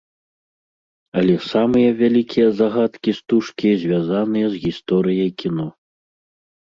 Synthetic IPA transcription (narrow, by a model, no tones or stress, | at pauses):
ɐlʲɛsamɨjɐvʲalʲikʲʰijɐzaɣat̪kʲist̪uʂkʲizʲvʲazanɨjɐzɣʲist̪ɔɾɨjɐjkʲinɔ